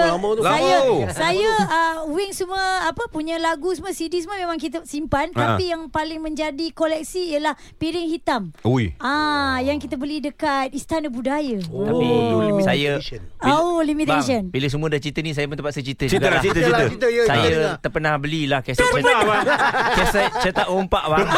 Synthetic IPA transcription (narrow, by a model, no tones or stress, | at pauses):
majasajəəuwɪŋsəmuəapəpuɲəlaɡusmũəsidisməmemãŋk̬it̪əsimpant̪apijaŋpalɪŋmə̃ɲd͡ʒadikolɛk̚siːəlah | piɾɪŋhit̪amujajaŋkit̪əbəlidəkat̪̚ist̪anəbudajəot̪apilimsajə | olimit̪aʃənbiləs̬əmũədaht͡ʃit̪ənis̬ajəp̬ənt̪əpat̪sət͡ʃit̪əd͡ʒɡ̪əiəit̪əjsajət̪ərpənahbəlilahkasərpabat͡ʃasət͡ʃət̪aʔompaʔba